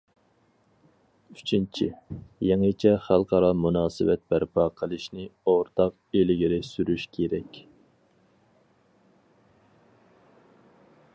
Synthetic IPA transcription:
yt͡ʃʰint͡ʃʰijeŋɨt͡ʃʰɛχælˠqʰɑɾɑmunɑːsɨwɛt̪̚bæɾpʰɑːqʰəlˠɨʃnɪoɾt̪ʰɑq | elɪɡʲiɾɪsyɾyʃkʲʰeɾɛkʲ

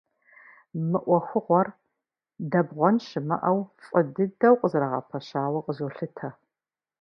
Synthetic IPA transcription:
mɨʔʷɔxʷʊʁʷɔr | dɐbʁʷɔnɕɪmɐ̰ʔɐwfʼədɨdɐwqʼəzɾɐʁɐ̰pʰɐɕaːwɐqʼəʑoːɬɨtʰɐ

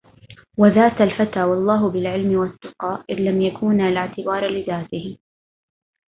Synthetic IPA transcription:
waðaːt̪alfat̪aːwɑlˤːɑːɦʊbɪlʕɪlmɪwat̪ːʊqɑːʔʔɪðlamjakʰuːnalɪʕt̪ɪbɑːɾˤlɪðaːt̪ɪhɪ

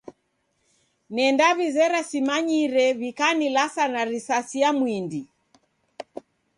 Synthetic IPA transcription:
nɛndaβizɛɾasimaɲiɾɛβikanilasanaɾisasijamwindi

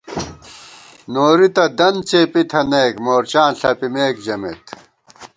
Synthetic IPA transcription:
noːɾit̪ɐd̪ɐnt͡ɕepit̪ʰɐneːkmoːɾt͡ɕaːnɬɐpimeːkd͡ʑɐmḛt̪

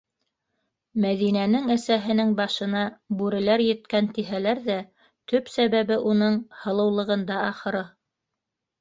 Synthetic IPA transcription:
mæðinænɘŋæsæɦɘ̆nɘŋbɑʃɤ̆nɑbʉɾɘ̆læɾjɘ̆t̪kænt̪iɦælæɾðæ | t̪ɵpsæβæβɘʔunɤɴhɤ̆lˠɤ̆wlˠɤ̆ʁɤ̆nd̪ɑɑχɤ̆ɾɤ

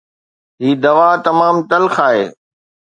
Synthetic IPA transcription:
ɦiːd̪ɐʋaːt̪ɐmaːmt̪ɐlxaːɦḛː

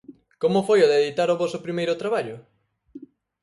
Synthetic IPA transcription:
komʊfojoðeðit̪aɾʊβɔsʊpɾimejɾʊt̪ɾaβ̞aʎʊ

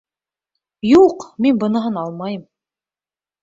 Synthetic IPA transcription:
juqminbɤ̆nɤ̆ɦɤnɑlˠmɑjɤm

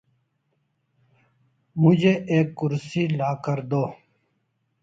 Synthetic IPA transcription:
mʊd͡ʑeeːkːʊɾsiːlaːkəɾd̪oː

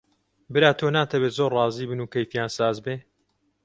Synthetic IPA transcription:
bɨɾaːt̪ʰonaːt̪ʰɐbeːzoːrrɑːziːbɨnuːkɐjfjaːnsaːzbeː

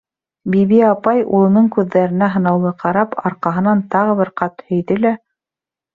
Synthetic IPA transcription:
biβiɑpɑjṵlˠɤ̆nɤɴkʉðːæɾɘ̆næɦɤ̆nɑwlˠɤqʰɑɾɑpɑ̰ɾqɑɦɤ̆nɑnt̪ɑʁɤ̆βɘɾqɑt̪hɵ̆jðɘlæ

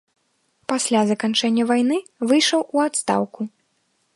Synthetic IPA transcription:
pasʲlʲazɐkant͡ʂɛnʲːɐvajn̪ɨvɨjʂɐwʔuat̪st̪a̰wku

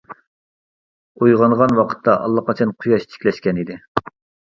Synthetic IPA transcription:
ojʁɑnʁɑnwɑqʰə̥t̪ʰːɑʔɑ̰lˠːɑqʰɑt͡ʃʰɑnqʰʊjɑʃt̪ʰɪ̥kʲlɛʃkʲɛnid̪ɪ

